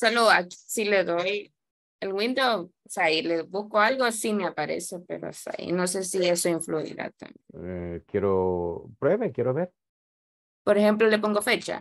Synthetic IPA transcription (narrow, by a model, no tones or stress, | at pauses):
saloaksileðoj | elɣwĩnd̪ow | saileβuhko̞alɣosimeapaɾḛsepḛɾo̰sa̰ḭno̞se̞sie̞so̞iɱfluḭɾa̰t̪a̰ekjeɾopɾweβekjeɾoβeɾ | po̞ɾexemplolep̬o̞ŋɡo̞fe̞t͡ʃa̰